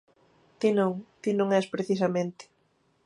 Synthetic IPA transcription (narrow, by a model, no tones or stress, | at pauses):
t̪inõŋt̪inõŋɛspɾeθis̬ɐmẽnt̪ɪ̥